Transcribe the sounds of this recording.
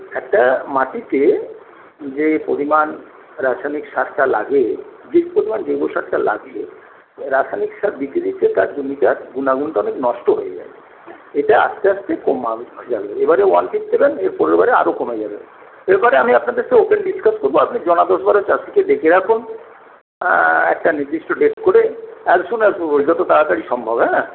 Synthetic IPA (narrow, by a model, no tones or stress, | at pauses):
ɛk̚ʈamaʈit̪e | d͡ʑepoɾiman | ɾaʃʰanikʃaɾʈala̰ɡe | d͡ʑepoɾimand͡ʑoboʃaɾʈala̰ɡt͡ɕʰḛ | ɾaʃʰanikʃaɾb̪it̪ːid̪itʰːet̪aɾd͡ʑomiʈaɡunaɡunʈaɔneknɔʃʈoɦojed͡ʑa̰e | eʈaa̰ʃt̪eaʃt̪ʰekomad͡ʑabeebaɾewanfifsebeneɾpɔɾebaɾea̰ɾokomed͡ʑabḛn | eɾbɔɾeamiapnad̪eɾseopenɖiskaskoɾboapnid͡ʑɔnad̪ɔʃbaɾot͡ɕaʃiked̪ekʰeɾakʰun | ɛ̰k̚ʈaniɾd̪iʃʈoɖesʈkoɾeɛksunɛkɾod͡ʑd͡ʑat̪ot̪aɾakaɽiʃɔmbʱobɦɛna